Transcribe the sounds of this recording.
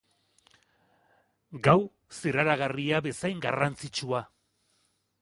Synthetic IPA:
ɡaw | siraɾaɣariaβe̞sajŋɡarant͡sit͡ʃua

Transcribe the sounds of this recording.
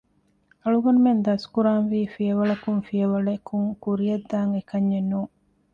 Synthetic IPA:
ɐɭuɡɐnumend̪ɐskuɾaːnʋiːfiɐʋɐɭɐkuŋfijɐʋɐɭɐkuŋkuɾijɐd̪ːaːŋekɐɲːenːuːŋ

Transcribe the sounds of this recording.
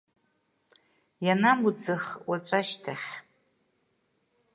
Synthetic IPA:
janamud͡zɨχwat͡ʃʷʼaʃtʰaχʲ

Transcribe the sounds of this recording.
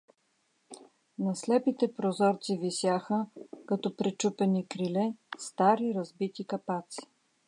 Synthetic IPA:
nɐslɛpit̪ɛpɾozɔɾt̪sivisjaxəkɐt̪ɔpɾɛt͡ʃupɛnikɾilɛst̪aɾiɾɐzbit̪ikɐpat̪si̥

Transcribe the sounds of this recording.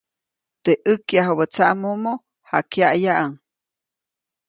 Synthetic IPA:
t̪eʔəkjaɦobət͡saʔmumo | hakjaʔjaʔaŋ

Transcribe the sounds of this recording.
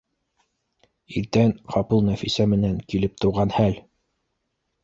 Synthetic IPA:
iɾt̪ænqʰɑpɤlˠnæfisæmɘ̆næŋkilɘp̚t̪ŏwʁɑnhæl

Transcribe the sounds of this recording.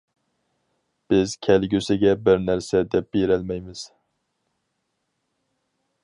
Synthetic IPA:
b̥ɪzkʲʰælɡʲysɪɡʲɛbɪɾnæɾsɛd̪ɛp̚b̥eɾælmɛjmɪz̥

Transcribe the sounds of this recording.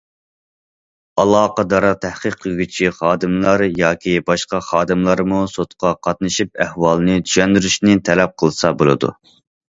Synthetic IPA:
ɑlˠɑːqɑd̪ɑɾɑt̪ʰæhqəqʰːəlˠɡʲyt͡ʃʰiχɑːd̪ɨmlˠɑɾjɑːkʲʰibɑʃqɑχɑːd̪ɨmlˠɑɾmusot̪qʰɑqʰɑt̪̚nɨʃip̚æhwɑlˠnɨt̪ʰy̥ʃɛnd̪yɾyʃnɪt̪ʰɛlɛp̚qʰəlˠɨsɑbolˠɨ̰d̪ṵ

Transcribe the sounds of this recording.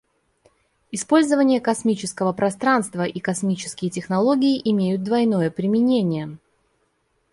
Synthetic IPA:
ɪspo̞lʲzəvənʲɪjəkɐsmʲit͡ɕɪskəvəpɾʔɐst̪ɾanst̪vəʔikɐsmʲit͡ɕɪ̥skʲɪjtʲɪxnɐlˠo̞ɡʲɪɪʔɪmʲejʊt̪̚d̪vɐjno̞jəpɾʲɪmʲɪnʲenʲɪjə

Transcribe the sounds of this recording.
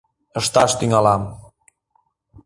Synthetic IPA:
əʃt̪ɑʃt̪yŋɑlɑm

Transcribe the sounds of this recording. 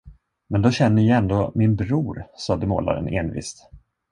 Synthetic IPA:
mɛnd̪oɕɛnːəjɑɛnd̪oːmɪnbɾuːɾsɑːd̪əmo̰ːla̰ɾə̰neːnvɪ̰st̪

